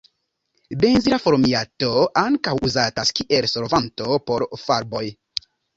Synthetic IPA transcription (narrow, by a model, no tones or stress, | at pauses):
benziɾafoɾmiato̞aŋkawuzataskiʔe̞lsoɾvanto̞po̞ɾfaɾbo̞j